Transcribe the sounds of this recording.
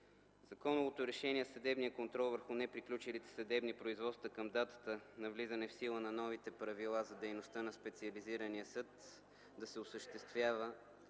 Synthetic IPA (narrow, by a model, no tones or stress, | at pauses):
zɐkɔnʊvot̪oɾɛʃɛniɛsəd̪ɛbnijəkont̪ɾɔlˠvəɾxunɛpɾiklʲut͡ʃilit̪ɛ̥sɐd̪ɛbnipɾoizvɔt̪st̪vəkəmd̪at̪ə̥t̪ənɐvlizənɛfsilˠənɐnɔvit̪ɛpɾɐvilˠazɐd̪ɛjnost̪ənɐspɛt̪siɐliziɾənijəsɤt̪ | d̪ɐsɛosəʃt̪ɛst̪vʲjavə